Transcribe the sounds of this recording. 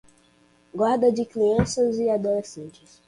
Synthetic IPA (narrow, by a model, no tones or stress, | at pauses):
ɡwaɾd̪ɐd͡ʒɪkliɐ̃sɐzɪad̪olesẽnt͡ʃɪs